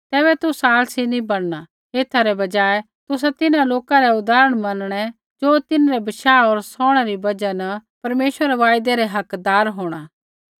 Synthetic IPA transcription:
t̪ɛːβɛt̪ʊsaːlsinĩbɐɽna | eːt̪ʰaɾɛbɐd͡ʒaːe | t̪ʊs̬at̪ɪnãloːkaɾɛʊd̪aːɾəɽ̃mɐnɽ̃ɛ | d͡ʒoːt̪ɪnɾɛbɐʃaːɔːɾsɔːɽ̃ɛɾibɐd͡ʒanɐpɐɾmeːʃʋəɾɛʋaːjd̪ɛɾɛɦɐkd̪aːɾɦoːɽ̃aː

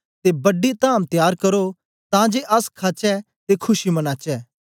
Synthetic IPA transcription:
t̪ebɐɖit̪ãːmt̪jaːɾkɐɾo | t̪ãd͡ʒeːʔɐskʰaːt͡ʃɛ | t̪ekʰʊʃimɐnaːt͡ʃɛː

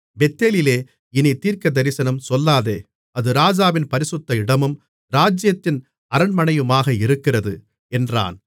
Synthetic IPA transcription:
bɛt̪ːeːlɪleː | ɪnit̪iːɾkɐd̪ɐɾɪsɐnɐmsɔlːaːðeː | ɐðɯɾaːd͡ʒaːʋɪnpɐɾɪsɯt̪ːɐɪɽɐmɯm | ɾaːd͡ʒjɐt̪ːɪn | ɐɾɐɳmɐɳɐjɯmaːɣɐɪɾɯkːɪrɐðɯ | ɛndra̰ːn

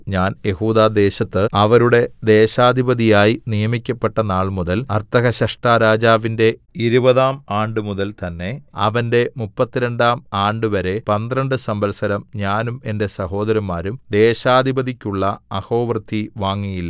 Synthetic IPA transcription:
ɲaːnje̞huːd̪aːd̪e̞ːɕɐt̪ːɨɐʋɐɾuɽe̞d̪eːɕaːd̪ʱibɐðijaːjinijɐmikʲːɐpːe̞ʈːɐnaːɭmuðɐlɐrt̪ɐɣɐɕɐʂʈaːɾaːd͡ʑaːʋinde̞iɾubɐðaːmaːɳɖɨmuðɐlt̪ɐnːe̞ɐ̰ʋɐnde̞mupːɐt̪ːiɾeɳɖaːmaːɳɖɨʋɐɾe̞pɐnd̪rɐɳɖɨsɐmbɐlsɐɾɐmɲaːnume̞nde̞sɐɦo̞ːd̪ɐɾɐmːaːɾumd̪e̞ːɕaːd̪ʱibɐðikʲːuɭːɐɐho̞ːʋrɨd̪ʱiʋaːŋːijilːɐ

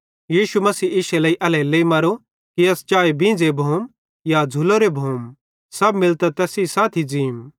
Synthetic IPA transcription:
jiːʃumɐsiːɪʃɛləːiʔɐlɛleːimɐɾo | kiɐst͡ʃaːebĩːnd͡zebʱoːm | jad͡zʱʊloɾebʱoːm | sɐbmɪlt̪at̪ɛːsisaːt̪ʰid͡ziːm

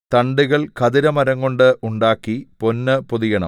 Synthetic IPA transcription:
t̪ɐɳɖuɣɐɭkɐðiɾɐmɐɾɐŋko̞ɳɖɨʔuɳɖaːkːipo̞nːɨpoðijɐɳɐ̰m

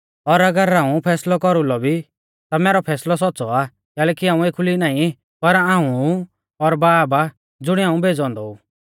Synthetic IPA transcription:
ɔɾɐɡəɾãːũpʰɛːslɔkɔɾulɔbʱi | t̪amɛːɾɔpʰɛːslɔs̬ɔtːsɔa | kɛːlɛːkiaːũeːkʰulinaːĩ | pɐɾãːũ | ɔɾbaːba | d͡zʊɽ̃iaːũbʱeːd͡zɔ̃ːnd̪ɔuː

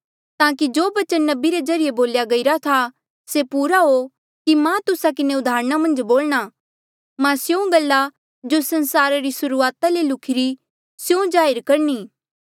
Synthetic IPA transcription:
t̪ãːk̬id͡ʒoːbɐt͡ʃənːɐbiɾezɐɾɪjeboːljaɡɐiɾat̪ʰa | sepuːɾaɦo | kimãt̪ʊsak̬ɪneʊd̪ʱaːɾɽ̃amɐ̃nd͡ʒboːlɽ̃a | mãsjõɡɐlːa | d͡ʒosɐ̃nsaːɾaɾisʊɾuaːt̪alelʊkʰɪɾi | sjõd͡ʒaːɪɾkɐɾniː

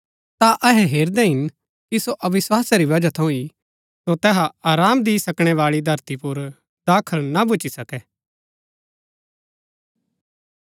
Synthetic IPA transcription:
t̪aʔɐɦɛɦeːɾd̪ɛɦɪn | kisoʔɐʋɪswaːsaɾiʋɐd͡ʒat̪ʰɐũi | sot̪ɛːɦaaːɾaːmd̪ɪisɐkɽ̃ɛʋaːɭid̪ʱɐɾt̪ipʊɾ | d̪aːkʰəɭnabʊt͡ʃisɐkɛː

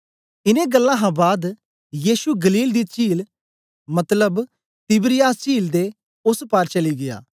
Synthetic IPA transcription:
ɪnẽɡɐlːãɦãbaːd̪ | jiːʃuɡɐliːld̪it͡ʃiːl | mɐt̪ləb | t̪ɪbɾɪjaːst͡ʃiːld̪e | ʊspaːɾt͡ʃɐliɡɪja̰ː

